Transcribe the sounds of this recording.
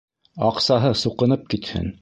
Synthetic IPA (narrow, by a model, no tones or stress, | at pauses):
ɑqsɑɦɤsuqɤ̆nɤp̚kit̪hɘ̰n